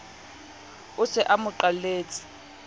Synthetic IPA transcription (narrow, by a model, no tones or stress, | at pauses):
ʊsɛʔamʊǃaleːt͡sʼɪ̥